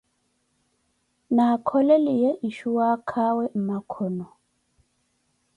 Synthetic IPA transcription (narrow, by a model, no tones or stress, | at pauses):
nakʰɔlɛlijɛʔiʃuwakʰawɛm̩makʰɔnɔ